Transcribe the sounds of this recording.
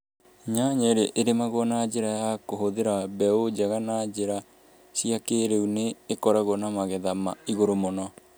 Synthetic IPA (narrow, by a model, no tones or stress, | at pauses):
ɲaɲɛɾeʔeɾemaɣwɔnad͡ʑeɾajakoɦoðeɾabɛod͡ʑaɣanad͡ʑeɾa | ɕiakeɾeuneːkɔɾaɣwɔnamaɣɛðamaiɣoɾomonɔ